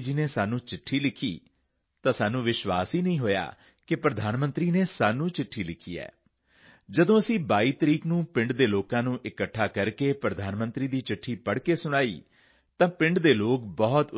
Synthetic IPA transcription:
d͡ʒineːsaːnũːt͡ʃɪʈʰːiːlɪkʰḭː | t̪ãːsaːnũːʋɪʃʋa̰ːsiːnəĩːɦoːja̰ː | kɪpɾəd̪ʱaːnmə̃nt̪ɾiːneːsaːnũːt͡ʃɪʈʰːiːlɪkʰḭːɛ̰ː | d͡ʒəd̪õːəsĩːbaːiːt̪əɾiːknũːpɪ̃ɳɖd̪eːloːkãːnũːʔɪkəʈʰːaːkəɾkeːpɾəd̪ʱaːnmə̃nt̪ɾiːd̪iːt͡ʃɪʈʰːiːpəɽkeːsʊɽ̃aːḭː | t̪ãːpɪ̃ɳɖd̪eːloːk̚bɔːt̪

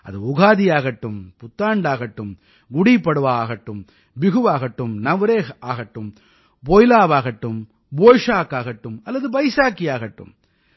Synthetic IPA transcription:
ʔɐ̰ðɯʊɣaːðɪjaːɣɐʈːɯmpʊt̪ːaːɳɖaːɣɐʈːɯm | ɡʊɽipːɐɽɯʋaːɣɐʈːɯm | bɪɣɯʋaːɣɐʈːɯmnɐʋɾeːʔaːɣɐʈːɯm | boːjɪlaːʋaːɣɐʈːɯm | boːjʂaːkaːɣɐʈːɯmɐlːɐðɯbɐɪsaːkijaːɣɐʈːɯ̰m

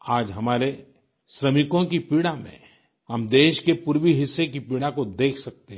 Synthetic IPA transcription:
aːd͡ʒɦɐmaːɾe | ʃɾɐmɪkõkipiːɽamḛ̃ | hɐmd̪eːʃkepuɾʋiɦɪsːek̬ipiːɽakod̪eːkʰsɐk̚t̪eɦɛ̃

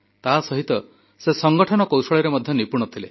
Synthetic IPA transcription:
t̪asɔɦit̪ɔ | sesɔŋɡɔʈʰɔnɔkowsɔɭiɾemɔd̪ʱjɔnipũɔt̪ʰile

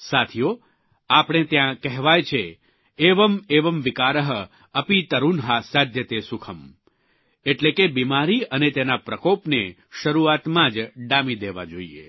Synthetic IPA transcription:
sat̪ʰijo | apɽ̃et̪jãkɛɦʋajt͡ʃʰe | eʋəmeʋəmʋɪkaɾəɦə | əpit̪əɾunɦasad̪ʱjət̪esukʰəm | eʈlekebimaɾiənet̪enapɾəkopne | ʃəɾuat̪mãd͡ʒɖamid̪eʋa̰d͡ʒoḭḛ

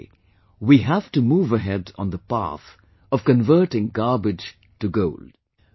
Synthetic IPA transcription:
wiɦævtumuːvəɦɛd̃n̩ðəpæ̰θ | ʌv̥kə̃nvɜ˞ʈɪ̃ŋɡɑɹbɪ̥d͡ʒ̥ | tɨɡoʊld̥

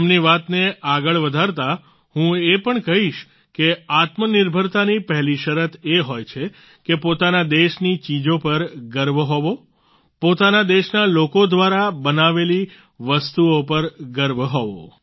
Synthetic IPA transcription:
mniʋat̪neʔaɡəɭʋəd̪ʱaɾt̪a | hũepəɳkəɦiʃ | keat̪mənɪɾbʱəɾt̪anipəɦɛliʃəɾət̪ʰeɦojt͡ʃʰe | kepot̪anad̪eʃnit͡ʃid͡ʒopəɾɡəɾbʱɦɔʋo | pot̪anad̪eʃnalokod̪ʋaɾabənaʋeli | ʋəst̪uopəɾɡəɾbʱɦɔʋo̰

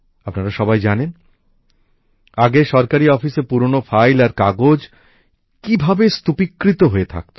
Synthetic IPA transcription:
apnaɾaʃɔbajd͡ʑanen | aɡeʃɔɾkaɾiɔfiseɾpuɾonofʰajlaɾkaɡod͡ʑ | kibʱabest̪upikːɾit̪oɦoet̪ʰa̰k̚t̪o

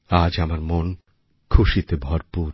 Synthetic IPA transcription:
ad͡ʑamaɾmon | kʰuʃit̪ebʱɔɾpuɾ

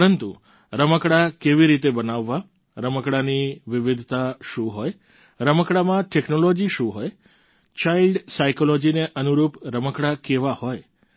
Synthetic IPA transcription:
pɾənt̪ṵ | ɾəməkɽakeʋiɾit̪̬ebənaʋːa | ɾəməkɽaniʋɪʋid̪ʱt̪aʃũɦoj | ɾəməkɽamãʈeknolod͡ʒiʃũɦoj | t͡ʃailɖsaikolod͡ʒineʔənuɾupɾəməkɽakeʋahoj

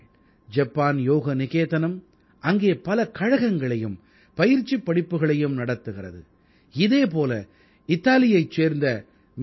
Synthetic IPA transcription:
d͡ʒɐpːaːnjoːɣɐnɪɣeːðɐnɐm | ʔɐŋɡeːpɐlɐkɐɻɐɣɐŋɡɐɭɐjɯm | pɐjɪɾt͡ʃːipːɐɽɪpːɯɣɐɭɐjɯmnɐɽɐt̪ːɯɣɪrɐ̰ðɯ̰ | ɪðeːp̬oːlɐ̰ | ɪt̪ːaːlɪjɐɪt͡ʃeːɾnd̪ɐ | m

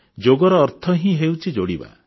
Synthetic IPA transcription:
d͡ʒoɡɔɾɔːɾt̪ʰɔɦĩɦewt͡ʃʰid͡ʒoɽiba̰

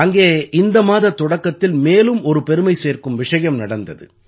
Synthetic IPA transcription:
ɐŋɡeːʔɪnd̪ɐmaːðɐt̪ːɔɽɐkːɐt̪ːɪlmeːlɯmɔɾɯpɛɾɯmɐɪseːrkɯmʋɪʂɐjɐmnɐɽɐnd̪ɐðɯ̰

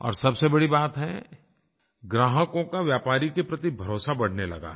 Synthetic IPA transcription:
ɔ̰ːɾsɐbsebɐɽibaːt̪ɦɛ | ɡɾaːɦəkõkaʋjaːpaːɾikepɾɐt̪ibʱɐɾoːsabɐɽ̤nelɐ̰ɡa̰ɦ

